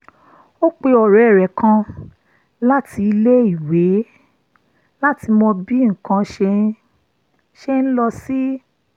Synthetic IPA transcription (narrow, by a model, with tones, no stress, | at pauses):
o˦k͡pe˧ɔ˨ɾɛ˨˦˨ɾɛ˨kʰã˧ | la˦ti˧le˦i˦˨we˨˦ | la˦ti˧mɔ̃˧bi˦ŋ̩˨kã˧ʃe˧ | ʃe˧n̩˦lɔ˧si˦